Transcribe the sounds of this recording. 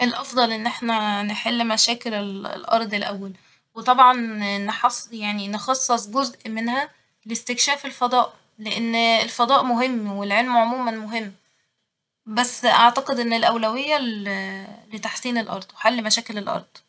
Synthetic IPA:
ʔelʔɑfd̪ˤɑlʔenːʔeħnæneħelːmæʃæːkelelḛlʔɑ̰ɾˤd̪ˤelʔæwːæl | wet̪ˤɑbʕɑnnːeħɑsjaʕninexɑsˤːesˤɡozʔmenhæ | lest̪ekʃæːfelfɑd̪ˤɑːʔ | leʔenːelfɑd̪ˤɑːʔmoɦemːwelʕelmʕomuːmænmoɦemː | bæsːʔaʕt̪ɑqed̪ʔenːelʔæwlæwejːæ | let̪aħsiːnelʔɑ̰ɾˤd̪ˤweħalːmæʃæːkelelʔɑ̰ɾˤd̪ˤ

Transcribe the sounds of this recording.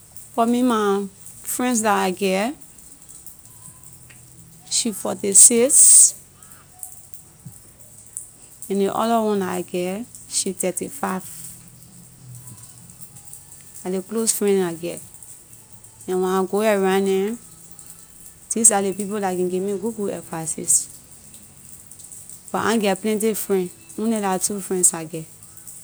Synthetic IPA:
fɔmĩma | fɹɛ̃nsdaaɡɛ | ʃifɔtisiks | ɛ̃ndeʔɔ̰dɔwɔ̃ndaaɡɛʃitɛtifaɪv | aleklosfɹɛ̃naɡɛ | ɛ̃wɛ̃ãɡoɛɹãnɛ̃ | dis̬alep̬ip̬olakĩɡemĩɡoɡuɛ̰fasḭs | b̥ɔʔã̰ɡɛplɛ̃nt̬ifɹɛ̃n | ũnɛlatufɹɛ̃nsaɡɛ

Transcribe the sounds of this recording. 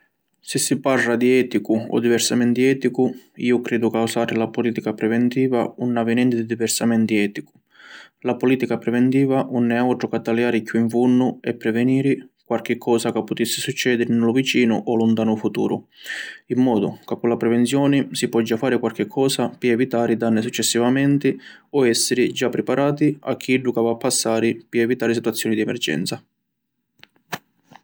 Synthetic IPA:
sɪsːiparlad̪iɛːt̪ikʊɔ̰d̪ːivɛrsamɛnt̪iɛːt̪ikʊiːʊkɾeːd̪ʊkawsaːɾɪlapʊliːt̪ikapɾɛvɛnt̪iːva̰unːavɪnɛnt̪ɪd̪id̪ivɛrsamɛnt̪iɛːt̪ikʊ̥ | lapʊliːt̪ikapɾɛvɛnt̪iːvaʔunːɛawʈ̪ɾʊkat̪ːaljaːɾɪkːuiɱfunːʊɛpːɾɛvɛniːɾɪkwalk̟ɪkʰːɔːsakapːʊt̪isːɪsut͡ʃːɛːd̪ɪɾɪnɪlʊvit͡ʃiːnʊ̰ʔɔlʊnt̪aːnʊfut̪ṵːɾʊ̰imːɔːd̪ʊ̰kakːʊnlapɾɛvɛnt̪sjɔːnɪsipwɔd͡ʒːafːaːɾɪkwalk̟ɪkʰːɔːsapɪɛvit̪aːɾid̪anːɪsut͡ʃːɛsːivamɛnt̪ɪɔɛsːɪɾɪd͡ʒapːɾɛpaɾaːt̪ia̰k̟ʰːiɛɖukavaːpːasːaːɾɪpɪɛvit̪aːɾɪs̬it̪wat̪sːjɔːnid̪iɛmɛ̰ɾd͡ʒɛ̰nt̪sa

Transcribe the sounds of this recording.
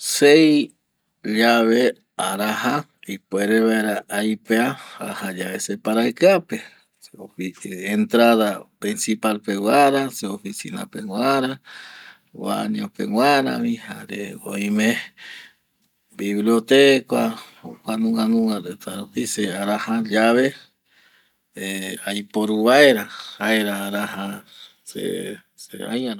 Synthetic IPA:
sej | d͡ʒaβe | aɾaha | ipueɾeβaeɾaʔajpeaha̰had͡ʒaβesepaɾajkape | eoient̪ɾaðapɾinsipalpewaɾaseofisḭna̰peŋʷwaɾa | wa̰ɲõpḛwʷaɾa̰βĩhaɾeo̰ĩmẽ | biβliot̪ekʷaokʷanũŋanũŋaɾet̪aɾupiseaɾahad͡ʒaβe | eajpoɾuβaeɾahaeɾaːɾaha | sḛ | sḛa̰ja

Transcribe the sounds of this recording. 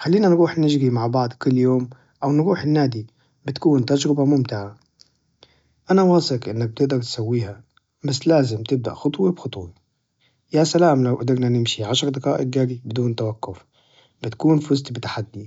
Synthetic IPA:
xalːiːnanɾuːħnɪd͡ʒɾimaʕbɑʕd̪ˤkʊlːjoːm | ʔawnɾuːħɪnːaːd̪i | bɪt̪kuːnt̪ad͡ʒɾɪbamʊmt̪ɪʕa | ʔanawɑːsˤɪqʔɪnːak̚b̚t̪ɪʔd̪ɑɾt̪sawːiːha | basːlaːzɪmt̪ɪb̚d̪a̰ʔxʊt̪ˤwibxʊt̪ˤwi | jasalaːmlawʔad̪ɪɾnanɪmʃiʕaʃɾd̪aqaːʔɪɡɡaɾibɪd̪uːnt̪awaqːʊf | bɪt̪kuːnfʊzt̪bɪt̪ḁħad̪ːi

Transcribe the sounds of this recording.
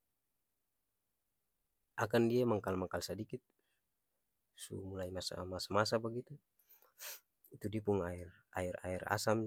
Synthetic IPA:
ʔakandiamaŋkalmakalsadikit̪̚ | sumulaimasa̰masamasabaɡit̪u | it̪udipuŋair | aira̰ira̰sam

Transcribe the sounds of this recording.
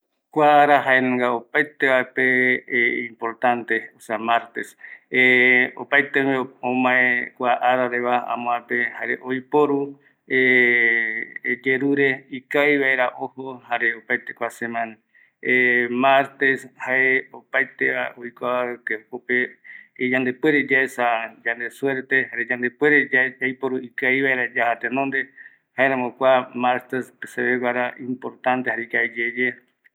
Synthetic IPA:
kʷaaɾaɦaenẽŋɡaopajt̪eβaepe | impoɾt̪ant̪eoseamaɾt̪eseo̰pajt̪emeõmãẽkʷaʔaɾaɾeβaã̰mõapehaɾeʔojpoɾu | e | d͡ʒeɾuɾeikajβaeɾaʔohohaɾeopajt̪ekʷasemãna | emaɾt̪eshaeopajt̪eβaoikʷaβaekekopeːd͡ʒãnd̪epweɾed͡ʒaesad͡ʒand̪eswe̞ɾt̪ehaɾed͡ʒand̪epweɾead͡ʒajpoɾuikajβaeɾad͡ʒahat̪enõnd̪e | haeɾãmokʷamaɾt̪espeseβeɡʷaɾaĩmpoɾt̪ãnt̪ehaɾekaed͡ʒed͡ʒe

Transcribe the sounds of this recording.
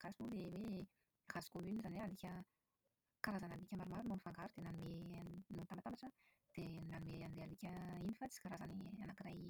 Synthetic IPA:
kasimolewe | razu̥komynizanialikʲə | kaɾazanalikʲəmaɾumaɾunanifaŋɡaɾud̪̥enanimenot̪ambat̪ambaʈ͡ʂə | d̪̥enanumeanilealikʲəinifat͡si̥z̥i̥kaɾazanianakiɾaj

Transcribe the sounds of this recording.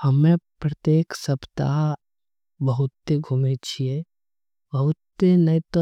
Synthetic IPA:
həmẽpɾɐt̪eːksəpt̪a̰ | bəɦʊt̪ːeɡʱumet͡ʃʰie | bɐɦʊt̪ːenɐit̪o

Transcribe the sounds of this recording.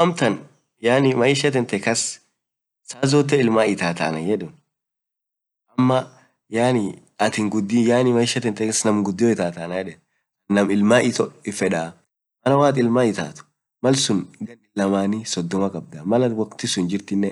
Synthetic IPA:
ɐmt̪ɐn | jaːnɪmɐɪʃɐt̪ɛnt̪ɛkɐs | saːzɔːt̪̬ːɛɪlmaːɪt̪aːt̪a̰ːnɐjɛᶑʊn | ʔɐmːɐ | jaːnɪ | ɐt̪ɪŋɡʊd̪ːɪjaːnɪmɐjɪʃɐt̪ɛnt̪ɛkɐsnɐmɡʊd̪ːɪjɔɪt̪aːt̪aːnajɛᶑɛn | kɐnːɐmɪlmaːʔɪt̪ɔɪfɛᶑa | mɐnɐwaːt̪ʼɪlmaɪt̪a̰ːt̪ʊ̥ | mɐlsʊnɡɐnɪlɐmaːnisɔd̪ːɔmɐkʼɐb̚d̪ɐmɐlɐwɐkt̪ɪsʊnd͡ʒɪɾt̪ɪnːɛ

